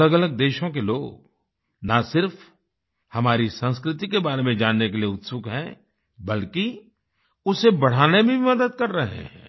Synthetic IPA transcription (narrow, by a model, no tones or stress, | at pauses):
ləɡɐləɡ̚d̪eːʃõk̬eloːɡɡ | nasɪɾf | hɐmaːɾisə̃nskɾɪt̪ikebaːɾemẽd͡ʒaːnːekelijeʊt̪sʊkɦɛ̃ː | bɐlki | ʊsebɐɽ̤aːnebʱĩbʱimɐd̪əd̪̚kɐɾːɐɦḛ̃ɦɛ̰̃ː